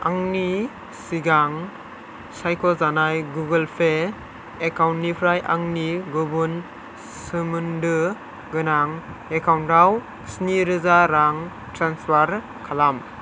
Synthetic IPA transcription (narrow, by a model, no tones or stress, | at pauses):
aŋni | siɡaŋ | sajkʰɔzanajɡuɡəlpʰe | ekawntnːipʰɾajʔaŋniɡɔbun | sɯmundɯ | ɡɯnaŋekawntaw | sniɾɯzaɾaŋ | tɾanspʰaɾ | kʰalam